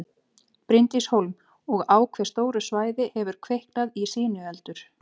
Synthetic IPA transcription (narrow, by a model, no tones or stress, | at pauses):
pɾɪnt̪ishowlm | ɔɣaːwkʰv̥ɛ̥st̪oːwɾʏsvaːjðɪhɛvʏɾ̥kʰvehknaðisɪːnʏɛlt̪ʏɾ̥